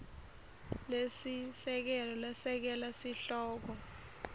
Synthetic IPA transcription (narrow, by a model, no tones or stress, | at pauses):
lesisɛk̬ɛlɔlɛsɛk̬ɛlasiɬɔːk̬ɔ